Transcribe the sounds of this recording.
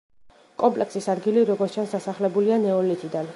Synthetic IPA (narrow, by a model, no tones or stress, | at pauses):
kʼɔmpʼlɛksisad̪ɡiliɾɔɡɔɾt̪ʰt͡ʃʰansd̪asaχlɛbulianɛɔlit̪ʰʼid̪an